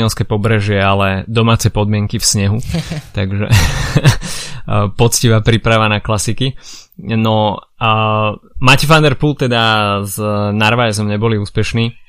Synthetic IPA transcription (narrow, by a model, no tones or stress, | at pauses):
ɛlskɛpɔbɾɛʒɪɛalɛd̪ɔmaːt͡sɛjpɔd̪̚mɪɛŋkifsɲɛɦut̪aɡʒɛ̰ | pɔt͡sciʋaːpɾipɾaʋanaklasikinɔ | macɛfand̪ɛɾpult̪ɛd̪aznaɾʋajɛzɔmɲɛbɔliuːspɛʃniː